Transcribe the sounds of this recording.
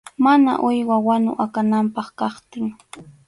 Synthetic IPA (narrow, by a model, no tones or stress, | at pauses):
mana̰ʔʊjwawanʊ̰ʔakanampɑχkɑχt̪ɪŋ